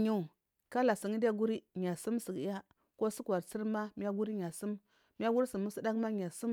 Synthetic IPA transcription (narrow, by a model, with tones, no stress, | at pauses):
ɲu˦˨ | ka˦la˨si˨ŋi˦da˦ɡu˦ɾi˦ɲa˨su˦msi˨ɡja˦ | ko˦si˦ka˨ɾt͡si˦ɾma˦mi˦ja˦ɡu˦ɾi˦ɲa˨su˦m | mi˦ja˦ɡu˦ɾi˦si˨mu˦si˦da˦kma˦ɲ˨a˨su˦m